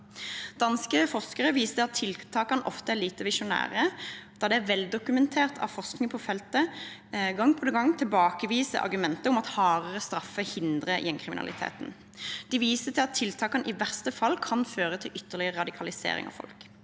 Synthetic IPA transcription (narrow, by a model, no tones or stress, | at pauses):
d̪̥ɑnskəfɔʁskəʁəʋiːsəəɑt̪ʰːɪlt̪ʰɑːkɑnəʔɔft̪əæʁliːt̪əʋɪʃʊnæ̰ːʁəd̪̥ɑːd̪ɛæʋɛld̪ʊkʉmɛnt̪ʰeːʁt̪ʰɑ̰ʋfɔʁsknɪŋəpʰɔfɛlt̪ə | ɡɑŋpʰɔd̪ɛɡɑŋt̪ʰɪlbɑːkəʋiːsə̰ʔɑ̰ʁɡʉmɛnt̪əʊmɑt̪hɑːʁəʁəst̪ʁɑfəhɪnd̪ʁəjɛnkʰʁɪmɪnɑ̰lɪ̰t̪ʰḛːt̪n̩ | d̪̥iʋiːsət̪ʰɪlɑt̪ʰːɪlt̪ʰɑːkɑnʔɪʋæʁst̪əfɑlːkʰɑnføːʁət̪ʰɪlʔʏt̪ːəʁlɪəəʁɑd̪ɪkʰɑlɪsḛːʁɪ̰ŋɑ̰ʋfɔ̰lk